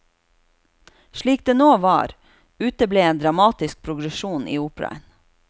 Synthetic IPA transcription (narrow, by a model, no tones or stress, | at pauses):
ʃɭiːk̚d̪eːnoːʋɑ̰ːɾ | ʉːt̪əbleːeːnd̪ɾɑmɑːt̪ɪsk̚pʰɾʊɡɾɛʃuːnʔḭːuːpɾɑ̰ə̰n